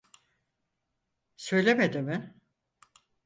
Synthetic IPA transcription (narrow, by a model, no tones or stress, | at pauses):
sø̞jlʲemed̪ɪmɪ